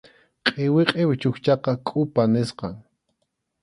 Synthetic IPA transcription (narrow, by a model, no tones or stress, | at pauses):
qʼɪwɪqʼewt͡ʃʊxt͡ʃɑqɑkʼʊpanɪsqɑŋ